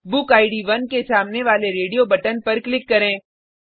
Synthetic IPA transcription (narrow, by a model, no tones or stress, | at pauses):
bʊkaːɪɖiʋɐnkesaːmneʋaːleɾeːɖijobɐʈənpɐɾklɪkːɐɾẽː